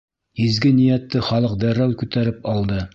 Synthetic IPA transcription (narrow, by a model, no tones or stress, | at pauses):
izɡɘnijæt̪ːɘχɑlˠɤq̚d̪æɾæwkʉt̪æɾɘpɑlˠd̪ɤ